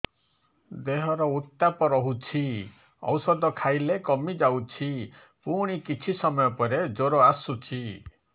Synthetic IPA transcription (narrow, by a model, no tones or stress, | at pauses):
d̪eɦɔɾɔut̪ːapɔɾɔɦut͡ʃʰi | ɔ̰wsɔd̪ɔkʰajlekɔmid͡ʒawt͡ʃʰi | puɽ̃ikit͡ʃʰisɔmɔjɔpɔɾed͡ʒoɾoasut͡ʃʰi